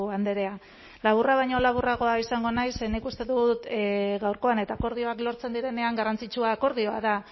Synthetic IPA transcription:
and̪e̞ɾe̞a | laβ̞uraβ̞ajɲo̞laβuraɣ̞o̞aisaŋɡo̞najsenikust̪e̞ðut̪ɣawɾko̞ane̞t̪aːko̞ɾð̞io̞aklo̞ɾt͡se̞nd̪iɾe̞ne̞aŋɡarant͡sit͡ʃuaːko̞ɾð̞io̞a̰ða

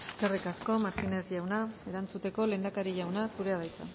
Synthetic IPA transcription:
eske̞rikasko̞maɾkinezʝawnae̞ɾant͡sut̪e̞ko̞le̞nd̪akaɾiʝawnasuɾe̞aðajt͡sa̰

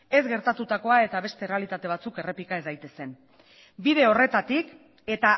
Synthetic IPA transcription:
e̞zɡe̞ɾt̪at̪ut̪ako̞ae̞t̪aβ̞e̞st̪e̞re̞alit̪at̪e̞β̞at͡suke̞re̞pikaezajt̪e̞se̞n | bið̞e̞o̞re̞t̪at̪ik | e̞t̪a

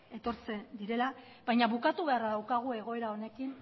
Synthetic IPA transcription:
e̞t̪o̞ɾt͡se̞nd̪iɾe̞la | βajɲaβukat̪uβe̞aɾaðawkaɣ̞ue̞ɣo̞e̞ɾao̞ne̞kin

